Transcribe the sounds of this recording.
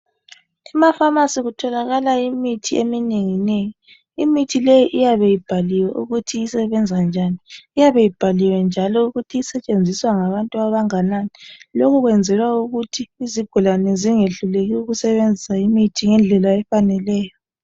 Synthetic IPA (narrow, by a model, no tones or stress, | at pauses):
imafamasiɣutʰɔlaɣalaimitʰiemineŋineji | imitʰilejiʔijaβejib̥ʱaliwɛʔuɣutʰiːsɛβɛnd͡zʱand͡ʒʱaniːjaβejib̥ʱaliwɛnd͡ʒʱalɔuɣutʰiːsɛt͡ʃʼend͡zʱiswaŋaβantʼuaβaŋananilokʰuɣwɛnd͡zʱɛlwauɣutʰiːziɡ̥ʱulanɛziŋeɬuleɣiuɣusɛβend͡zʱisaimitʰiŋɛnd͡ɮʱɛlaɛfanɛlɛːjɔ